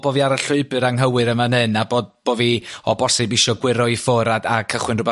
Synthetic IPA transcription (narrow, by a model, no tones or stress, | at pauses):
b̥oːviaɾaɬʊɨbɨɾaŋɦəwɨɾəmanɨnaboːd̚b̥oːviɔbɔsɪbiʃɔɡwɪɾɔifoɾadakʰəχwɨnrʊbɛ